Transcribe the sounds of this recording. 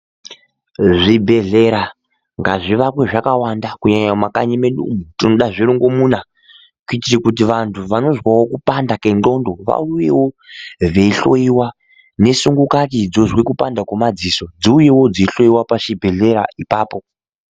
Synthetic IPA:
ʐibʱe̞ɮe̞ɾa | ŋɡaʐiʋapwe̞ʐakawandakuɲaɲamakaɲimeɗṵmutinoɗaʐiɾuŋɡo̞muna | kuitirikut̬iʋantʰuʋano̞zwawo̞kupandake̞ndo̞ndo̞ʋa̰ujewo̞ʋeiɬo̞iwa | ne̞suŋɡukakid͡zo̞ʐwekupandakomad͡ziso̞d͡ziujewo̞d͡ziɬo̞jiwapaʃibʱe̞ɮe̞ɾa̰ipaːpo̞

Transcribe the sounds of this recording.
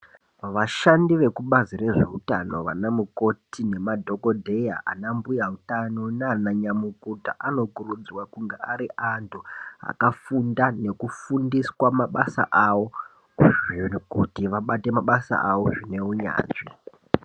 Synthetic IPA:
ʋaʃandiʋe̞kuɓazire̞ʐe̞utano̞̰ʋa̰namuko̞tine̞madʱo̞kodʱe̞jaʔa̰nambujautanoneanaɲamukuta̰ʔano̞kurud͡zwakuŋɡeaɾiʔantʰuɦa̰kafundane̞kufundiswamaɓasa̰ʔaʋo̞ | ʐikutiʋaɓate̞maɓasa̰ʔaʋo̞ʐine̞uɲa̰ːt͡ʂi

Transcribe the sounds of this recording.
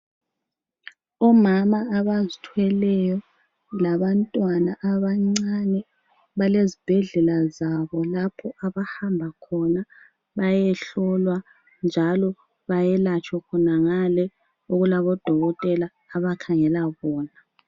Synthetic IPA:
ɔmamaːβazitʰwɛlɛjɔ | laβantʼwanaʔaβaŋ͡ǀanɛ | βalezib̥ʱɛɮɛlazaβɔlapʰɔʔaβahambʱakʰɔna | βajɛɬɔlwa | nd͡ʒʱalɔ | βajɛlat͡ʃʰʼwɔkʰɔnaŋalɛ | uɣulaβɔd̥ʱɔɣɔtʼɛlaːβakʰaŋɛlaβɔːna

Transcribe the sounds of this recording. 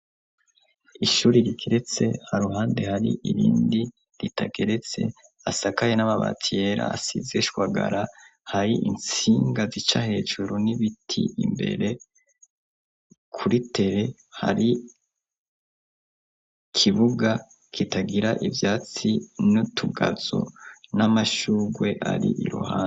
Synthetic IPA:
iʃuːɾiɾiɡeɾe̞t͡se̞̰haɾuɦaːnde̞haɾḭʔiɾḭːndi | ɾitaɡe̞ɾe̞t͡se̞̰ | asakajenamaβa̰tije̞ɾa̰ːsizeʃwaɡa̰ɾahaɾiʔḭnt͡siːŋɡazit͡ʃahe̞ːʒuɾuniβitʰḭimbe̞̰ɾe̞ | kʰuɾitʰe̞ɾe̞ | ha̰ɾi | kʰiβuɡa | kʰitaɡiɾaʔivjaːt͡sinutʰuɡazo̞̰namaʃuːɡwe̞ʔa̰ɾḭʔiɾṵhaːn

